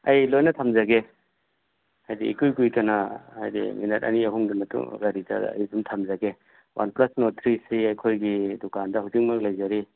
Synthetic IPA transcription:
ɐjlojnɐtʰamzaɡe | ajdḭːkujkujtɐnɐa̰jdḭminɐt̚ɐ̰niɐɦuŋɡimɐtṵŋɡaɾita̰d̰ɐ̰jbumtʰamzaɡe | wa̰nplɐsnot̪ʰɾisiɐjkʰojɡidukandɐɦuzik̚mak̚lajzaɾi

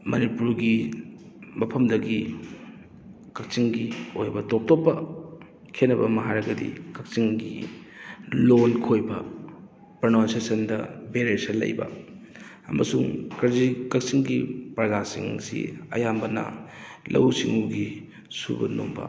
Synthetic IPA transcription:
mɐnipuɾɡi | mɐpʰɐmdɐɡi | kɐk̚t͡ʃiŋɡiojbɐtop̚topːɐ | kʰenːɐbɐmɐɦaɾɐɡɐdḭkɐk̚siŋɡḭ | lonkʰojbɐ | pɾɐnansesɐndɐbeɾeɾsɐlɐ̰jbɐ̰ | ɐmɐsuŋkɐzikɐk̚siŋɡipɾɐzasiŋsḭɐ̰jambɐnɐ̰lʔɐ̰wsiŋuɡi | sṵbɐ̰no̰mbɐ̰

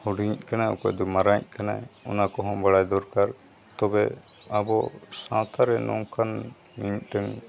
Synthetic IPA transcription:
huɖiɲc̚kanaɔ̰kɔ̰ʔd̪ɔmaɾaɲ̚kanajɔnakɔɦɔ̃baɽajd̪ɔɾkaɾt̪ɔbɛabɔsãt̪ʰaɾɛnɔ̰ŋkan | miɲˀt̪ɛŋ

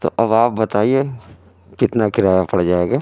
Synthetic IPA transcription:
t̪o̰ːʔɐbaːp̚bɐt̪aːie | kɪt̪nakʰɪɾaːjapɐɽd͡ʒaːeːɡaː

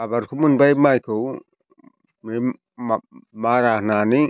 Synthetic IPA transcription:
abaɾkʰumɯnbajmajkʰɯw | mi | maɾahnani

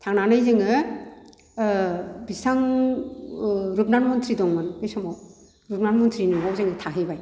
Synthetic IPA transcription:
tʰaŋnanɯjzeŋɯ | bisaŋ | ɾup̚nanmɔntʰɾidɔŋmɯnbɯsɔmɔw | ɾup̚nanmɔntʰɾinɯɦɔwzeŋɯtʰaɦɯjbaj

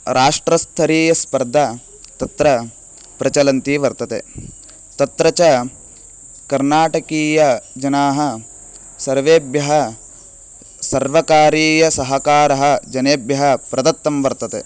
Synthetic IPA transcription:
ɾaːʂʈɾɐst̪ʰɐɾiːjɐspɐɾd̪ʱɐ | t̪ɐt̪ɾɐ | pɾɐt͡ʃɐlɐnt̪iʋɐɾt̪ɐt̪ḛ | t̪ɐt̪ɾɐt͡ʃɐ | kɐɾnaːʈɐkiːjɐd͡ʒɐnaːɦɐ | sɐɾʋeːbjɐɦɐ | sɐɾʋɐkaːɾiːjɐsɐɦɐkaːɾɐɦɐ̆d͡ʒɐneːbjɐɦɐpɾɐd̪ɐt̪ːɐmʋɐɾt̪ɐt̪e

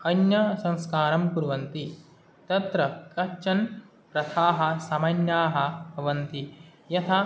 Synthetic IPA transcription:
ɐnjɐsɐ̃ŋskaːɾɐmpuɾʋɐnt̪i | t̪ɐt̪ɾɐkɐt͡ʃɐn | pɾɐt̪ʰaːɦɐ̆sɐmɐnjaːɦɐ̆bʱɐʋɐnt̪ijɐt̪ʰɐ

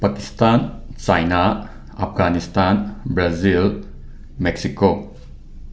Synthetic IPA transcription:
pakist̪ant͡ʃajna | a̰p̚ʰɡanist̪anbɾazil | mɛksiko

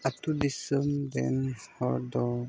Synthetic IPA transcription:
at̪udisəmdɛ̰nhɔdɔ

